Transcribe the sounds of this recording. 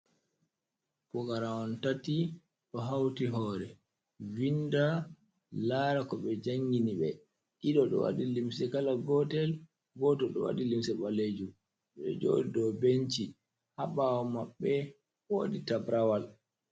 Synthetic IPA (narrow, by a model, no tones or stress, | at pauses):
kɔkaɾaɔntati | ɗɔɦawtiɦɔːɾɛ | vinda | laːɾakɔɓɛd͡ʒaŋɡiniɓɛ | ʔiɗɔɗɔ̰wa̰ɗilimsɛkalaɡɔtɛl | ɡɔtɔɗɔ̰wa̰dilimsɛɓaled͡ʒum | ɓɛ̰d͡ʒɔ̰dɔbeɲt͡ʃi | haɓawɔmaɓːɛ | wo̰ːditabɾawal